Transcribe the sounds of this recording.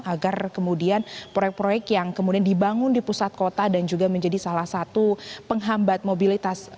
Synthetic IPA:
aɡarkəmudianpɾojɛk̚pɾojɛk̚t̪jaŋkəmudiandibaŋʊndipusat̪̚kot̪adand͡ʒuɡaməɲd͡ʒadisalahsat̪upəŋɦambat̪̚mobilit̪as

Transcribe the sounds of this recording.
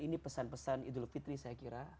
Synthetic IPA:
inipəsanpəsanḭd̪ʊlfit̪ɾisajakiɾa

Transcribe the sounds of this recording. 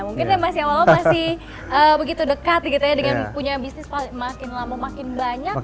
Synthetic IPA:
muŋkɪnamasɪawalamasɪh | ʔəbəɡit̪udəkat̪̚ɡit̪ujadəŋanpuɲabisnɪspalɪŋmakɪnlamamakɪnbaɲak̚

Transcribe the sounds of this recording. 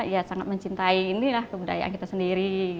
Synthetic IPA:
jasaŋat̪̚məɲt͡ʃint̪aiːnilahkəbuda̰ja̰ʔa̰nkit̪asəndiɾi

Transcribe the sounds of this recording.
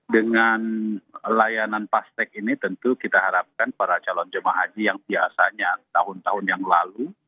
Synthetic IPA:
dəŋanlajananpast̪ɛk̚init̪ənt̪ukit̪aɦaɾap̚kanpaɾat͡ʃalɔnd͡ʒəmaɦad͡ʒijaŋdiasaɲat̪aɦʊnt̪aɦʊnjaŋlalu

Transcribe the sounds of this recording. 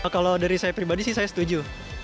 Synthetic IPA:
kalodaɾisajapɾibadisihsajasə̥t̪ud͡ʒu

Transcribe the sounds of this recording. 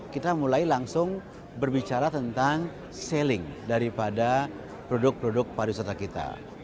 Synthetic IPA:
kit̪amulajlaŋsʊŋ | bərbit͡ʃaɾat̪ənt̪aŋ | sɛlɪŋdaɾipada | pɾɔdʊk̚pɾodʊk̚paɾisat̪akit̪a̰

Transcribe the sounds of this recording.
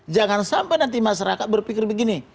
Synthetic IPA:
d͡ʒaŋansampajnant̪̬imasaɾakat̪̚bərpikɪrbəɡini

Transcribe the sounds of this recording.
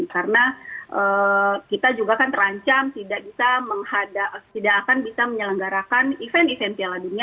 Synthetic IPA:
karənaʔəːkit̪ad͡ʒuɡakant̪əɾaɲt͡ʃamt̪idaʔ̚bisaməŋhadat̪idakːkanbisaməɲələŋɡaɾakanifɛnifɛnt̪ialadunia

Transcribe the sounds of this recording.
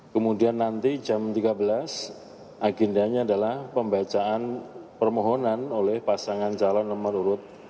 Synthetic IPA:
kəmudianːant̪id͡ʒamt̪iɡabəlas | ʔaɡɛndaɲaːdalahpəmbat͡ʃaʔanpərmoɦonanolɛhpasaŋant͡ʃalɔnːəmənuɾʊt̪̚

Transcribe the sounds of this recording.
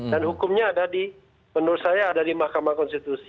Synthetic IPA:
danhukʊmɲaːdadi | mənʊɾʊt̪sajaːdadimahkamakɔnst̪it̪usi

